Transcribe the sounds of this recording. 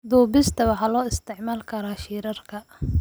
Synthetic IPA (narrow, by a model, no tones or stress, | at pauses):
d̪uːbɪst̪ʰɐwɑħɑːlɔːɪst̪ʰɪʕmaːlkʰɐɾaːʃiːɾɐrkʰɐ